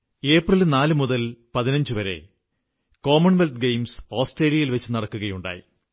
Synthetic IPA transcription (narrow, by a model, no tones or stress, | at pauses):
e̞ːprilnaːlɨmuðɐlpɐðinɐɲd͡ʑuʋɐɾe̞̰ | ko̞ːmɐɳʋelt̪ɡejmsoːsʈre̞ːlijɐjilʋɐt͡ɕːɨnɐɽɐkːuɣɐjuɳɖa̰ːjḭ